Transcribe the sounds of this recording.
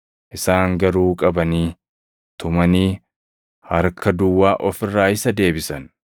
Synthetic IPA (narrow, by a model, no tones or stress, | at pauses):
ʔɪsaːŋɡɐɾuːkʼɐbɐniː | t̪ʊmɐniː | hɐɾkɐd̪ʊwːaːʔɔfɪrːaːɪsɐd̪e̞ːbɪsɐn